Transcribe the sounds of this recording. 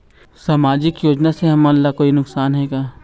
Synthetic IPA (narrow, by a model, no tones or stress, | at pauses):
saːmaːd͡ʒɪkjoːd͡ʒnaseɦɐmlːakoːinʊksaːnɦɛːɡaː